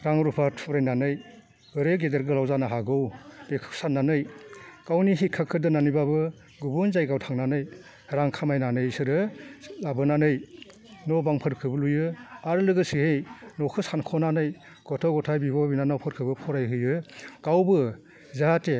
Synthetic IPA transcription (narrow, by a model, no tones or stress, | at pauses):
ɾaŋɾupʰatʰɔɾajnanɯj | ɯɾeɡedeɾɡɯlawzanaɦaɡɯwb̥ekʰɯ̥sanːanɯjkawniɦikʰːakʰɯdɯnanibabɯ | ɡubunzajɡawtʰaŋnanɯj | ɾaŋkʰamajnanɯjsɯɾɯlabɯnanɯj | nɔbaŋpʰɯɾkʰɯbɯlujɯaɾlɯɡɯsihejnɔkʰɯsankʰɔnanɯj | ɡ̥ɔtʰɔɡɔtʰajbibɔbinanawpʰɔɾkʰɯbɯpʰɔɾajɦɯjɯɡ̥awbɯ | zaate